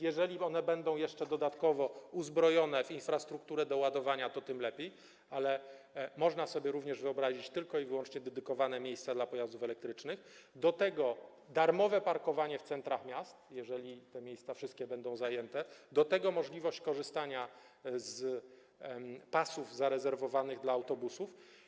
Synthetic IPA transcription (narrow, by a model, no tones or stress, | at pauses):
jɛʐɛlʲiɔnɛbɛnd̪ɔ̃w̃jɛʂt͡ʂɛd̪ɔd̪at̪kɔvɔuzbɾɔjɔnɛvinfɾast̪ɾuk̚t̪uɾɛd̪ɔwad̪ɔvaɲat̪ɔt̪ɘmlɛpʲjej | alɛ | mɔʐnasɔbʲjɛɾuvɲɛʐvɘɔbɾaʑit͡ɕt̪ɘlkɔivɘwɔnt͡ʂɲɛd̪ɛd̪ɘkɔvanɛmʲjejst̪sad̪lapɔjazd̪ufɛlɛk̚t̪ɾɘt͡ʂnɘxd̪ɔt̪ɛɡɔ | d̪aɾmɔvɛpaɾkɔvaɲɛft̪sɛnt̪ɾaxmʲjast̪jɛʐɛlʲit̪ɛmʲjejst̪safʂɘst̪̚kʲɛbɛnd̪ɔ̃w̃zajɛnt̪ɛd̪ɔt̪ɛɡɔmɔʐlʲivɔɕt͡ɕkɔʐɘst̪aɲa | z | pasuvzaɾɛzɛɾvɔvanɘɣd̪laːwt̪ɔbusuf